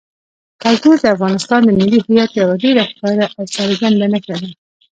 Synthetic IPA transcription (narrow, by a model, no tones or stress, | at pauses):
kalt̪uɾd̪əafɣɑnɪst̪ɑnd̪əmɪlːiɦɪjat̪̚ɾabaɖeɾaxɪ̥kɑɾaʔawsɑɾɡand̪anakaɾi